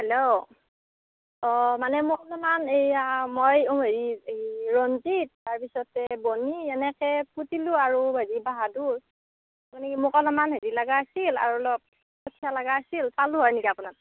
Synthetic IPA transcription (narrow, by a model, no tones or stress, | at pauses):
hɛlo | ɔmanɛmʊkɔlɔmanejamojoɦeɹiɹɔntitːaɹpisɔtɛboniɛnɛkɛpʰutilʊaɹuɦeɹibaɦaduɹ | apunɛkimʊkɔlɔmanɦeɹilaɡaːsila̰ɹulɔp̚ | kɔtʰijalaɡaːsilpalũɦɔjnikiapunat